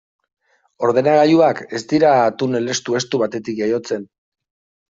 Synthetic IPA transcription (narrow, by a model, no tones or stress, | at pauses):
o̞ɾð̞e̞naɣaʎuake̞st̪iɾat̪une̞le̞st̪ue̞st̪uβat̪e̞t̪ikʝajo̞t͡se̞n